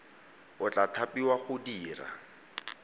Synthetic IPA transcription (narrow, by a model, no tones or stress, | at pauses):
ʊt͡ɬʼatʰapiwaχʊdiːra̰